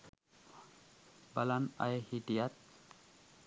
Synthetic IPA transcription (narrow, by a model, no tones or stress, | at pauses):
balana̰jhidijat̪̚